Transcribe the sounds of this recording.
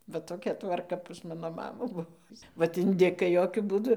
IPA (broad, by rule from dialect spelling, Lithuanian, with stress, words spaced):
ʋɐ toːˈkʲɛ tʋɐrˈkɐ pɐs ˈmɑːnoː ˈmɑːmuː ˈbʊʋoː ˈʋɐt ɪnʲˈdʲɪkɐɪ ˈjoːkʲʊ ˈbuːdʊ